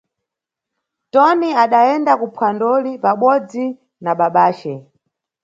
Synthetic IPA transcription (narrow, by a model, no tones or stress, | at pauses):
tɔniaɗaɛndakupʰwandɔlipaɓɔd͡zi | naɓaɓaːt͡ʃɛ